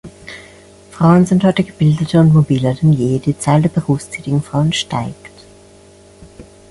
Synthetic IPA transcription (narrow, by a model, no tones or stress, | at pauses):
fʁ̥aʊənzɪnthɔʏtəɡ̥əb̥ɪldətʰəʊntmobiːlɐdɛnjeːd̥iːt͡saɪldeːɐbəʁuːfst͡sɛːtɪɡŋ̩fʁ̥aʊənʃta̰ɪkt